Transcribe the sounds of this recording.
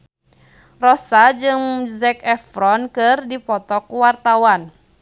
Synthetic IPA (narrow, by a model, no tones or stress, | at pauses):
rɔsad͡ʒɨŋzɛkɛfɾɔnkɨrdipɔt̪ɔkuwart̪awan